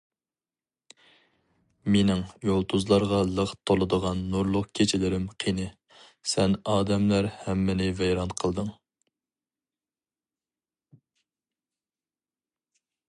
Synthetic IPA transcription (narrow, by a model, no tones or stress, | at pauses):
menɪŋjolˠt̪ʰuzlˠɑɾʁɑlˠəʁt̪ʰolˠɨd̪əʁɑnːuɾlˠʊqkʲʰet͡ʃʰilɪɾɪmqʰinɨ | sɛnɑːd̪ɛmlæɾhɛmːɪnɪvɛjɾɑnqʰəlˠd̪ɨŋ